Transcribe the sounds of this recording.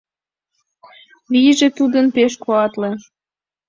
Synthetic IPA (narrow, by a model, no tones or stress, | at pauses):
βiʒet̪ud̪ənpeʃkoɑt̪le